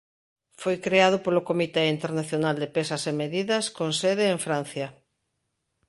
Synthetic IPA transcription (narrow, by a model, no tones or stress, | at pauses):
fojkɾeað̞ʊpolʊkomit̪eint̪eɾnaθjonald̪epesɐsemeðiðɐskonseðeːɱfɾan̟θjɐ